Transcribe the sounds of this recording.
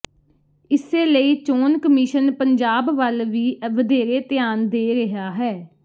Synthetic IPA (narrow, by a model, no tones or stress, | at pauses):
ɪseːləiːt͡ʃoːnkəmiːʃənpəɲd͡ʒaːbʋəlʋiːʋəd̪eːɾeːt̪ɪjaːnd̪eːɾəɦaːɦɛː